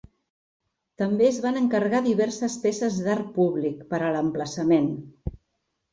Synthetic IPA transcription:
t̪əmbeəzβanəŋkərɣaðiβɛrsəspesəzðaɾpuβlikpəɾələmpləsəmen

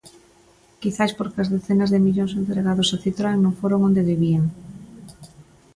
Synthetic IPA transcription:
kiθaspoɾkɐzðeθenazðemiʎoŋsent̪ɾeɣaðosaθit̪ɾaŋnõŋfoɾoŋond̪eðeβieŋ

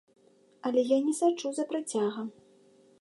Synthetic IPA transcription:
ɐlʲɛjanʲɛsat͡ʂuzɐpɾat͡sʲaɣɐ

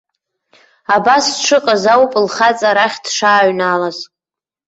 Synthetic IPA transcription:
abasʈ͡ʂʰɨqʼazawpʼlχat͡sʼaɾaχʲdʂaːɥnalaz

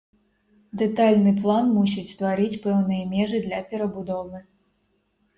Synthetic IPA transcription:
d̪ɛt̪alʲnɨplˠanmusʲit͡sʲst̪vaɾit͡sʲpɛwn̪ɨjɐmʲɛʐɨd̪lʲɐpʲɛɾɐbud̪ɔvɨ

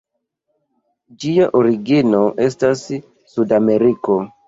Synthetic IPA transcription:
d͡ʒiaʔoɾiɡino̞ʔe̞stas | sudame̞ɾiko̞

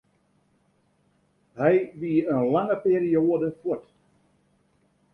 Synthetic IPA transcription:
hɛjʋiənlaŋəpeːɾijoədəfot

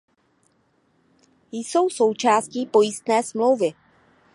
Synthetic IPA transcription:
jso̞wso̞wt͡ʃaːsciːpo̞jist̪nɛːsmlo̞wvɪ

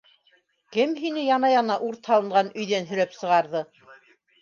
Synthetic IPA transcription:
kɘmɦinɘjɑnɑjɑnɑʔuɾt̪hɑlˠɤ̆ɴɢɑnɵ̆jðænɦɵ̆ɾæpsɤ̆ʁɑɾðɤ

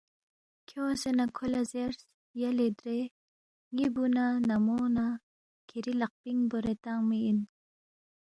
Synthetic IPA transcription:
kʰjosenakʰolazeɾs | jaled̪ɾe | ŋibunanamona | kʰeɾilaq̚piŋbɔɾet̪aŋmein

